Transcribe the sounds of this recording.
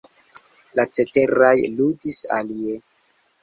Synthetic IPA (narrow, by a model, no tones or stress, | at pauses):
lat͡se̞te̞ɾajludisa̰lie